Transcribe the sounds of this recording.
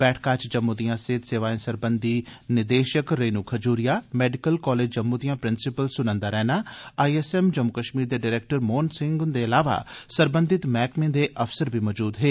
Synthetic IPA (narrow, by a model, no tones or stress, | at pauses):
b̥ɛːʈʰkaːt͡ʃd͡ʒəmːud̪ijãːseːt̪seːʋaːẽːsəɾbənd̪iːnɪd̪eːʃəkɾeːnuːkʰəd͡ʒuːɾɪjaːmɛːɖɪkəlkɔːleːd͡ʒd͡ʒəmːud̪ijãːpɾɪnsɪpəlsʊnə̃nd̪aːɾɛːnaːaːiɛsɛːmd͡ʒəmːʊkəʃmiːɾd̪eːɖɪːɾeːk̚ʈəɾmoːnsɪ̃ŋɡʊnd̪eəlaːʋa̰ːsəɾbə̃nd̪ɪt̪mɛːkmẽːd̪eʔəfsəɾbʱimɔːd͡ʒuːd̪ɦeː